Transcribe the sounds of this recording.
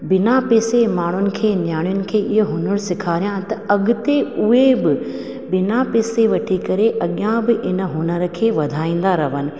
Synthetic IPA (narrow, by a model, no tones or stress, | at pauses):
bɪnapeːsemaːɳ̤ʊnɪ̆kʰeːnjaːɽ̃ijʊnɪ̆kʰeːɪɦoɦʊnəɽsɪkʰaːɾijãt̪ɐɐɠʊt̪eʊɦebɪ | bɪnapeːseʋɐʈʰikɐɾeʔɐɠjãbɪʔɪnəɦunəɾəkʰeːʋɐd̪ʱaːĩːn̆d̪aɾɐʋənɪ̆